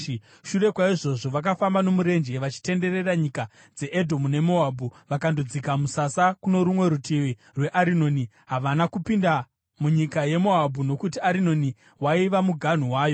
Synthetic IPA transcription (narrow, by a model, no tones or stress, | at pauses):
ʃure̞kwaiʐo̞ʐo̞ʋak̬afambano̞muɾe̞nd͡ʒe̞ʋat͡ʃi̥te̞nde̞re̞raɲika | d͡ze̞ʔedʱomune̞mo̞abʱuʋakandod͡zikamusasakuno̞ɾumwe̞ɾutʰiwi | rwe̞ʔaɾino̞ːni | ɦaʋanakupinda | muɲikaje̞mo̞abʱuno̞kutiaɾino̞ni | waiʋamuɡʱan̤uwaːjo̞